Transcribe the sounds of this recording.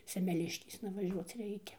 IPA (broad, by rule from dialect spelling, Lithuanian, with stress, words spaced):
sʲɛmʲɛˈlʲɪʃʲkʲeːsnɐ ʋɐˈʒʲuɔt͡s ˈrʲɛɪkʲɛ